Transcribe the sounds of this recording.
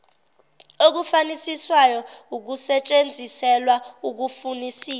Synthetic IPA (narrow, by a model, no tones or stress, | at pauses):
ok̬ufanisiswajɔuk̬usɛt͡ʃʼend͡zʱisɛlwauk̬ufunisiː